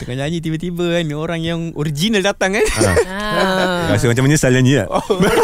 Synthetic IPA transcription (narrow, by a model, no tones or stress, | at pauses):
t̪əkaɲad͡ʒit̪ibət̪ibənioɾaŋjaŋoɾid͡ʒinaldat̪aŋana | kas̬umat͡ʃamaɲasalaniaʔo